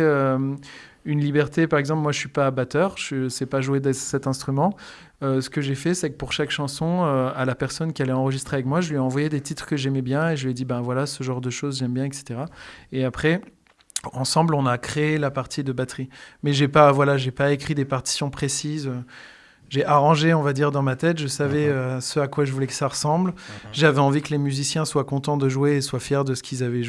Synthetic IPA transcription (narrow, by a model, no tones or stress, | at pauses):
øm | ynlibɛʁt̪epaʁɛɡzɑ̃plmwaʒəsɥipabat̪œːʁʃəsɛpaʒued̪ɛsɛt̪ɛ̃st̪χymɑ̃ | øsə̥kəʒefɛsɛkəpuʁʃakʃɑ̃sɔ̃øalapɛʁsɔnkʲialɛɑ̃ʁəʒist̪χeavɛkmwaʒəlɥiaɑ̃vwajed̪et̪it̪χkəʒɛmɛbjɛ̃eʒəlɥɛd̪ibɛ̃vwalasəʒɑ̃ʁd̪əʃozʒɛmbjɛ̃ɛkse̥t̪eʁaeapχɛ | ɑ̃sɑ̃blɔ̃nakχeelapaʁt̪ʰid̪əbat̪χimɛʒepavwalaʒepaekχid̪epaʁt̪i̥sjɔ̃pχesizø | ʒeʔaʁɑ̃ʒeɔ̃vad̪iʁd̪ɑ̃mat̪ɛt̪ʒəsavɛøsəakwaʒəvulɛkə̥saʁəsɑ̃blʒavɛɑ̃vikəlemyzisjɛ̃swakɔ̃t̪ɑ̃d̪əʒuweːswafjɛʁd̪əsə̥kʲʰilzavɛʒe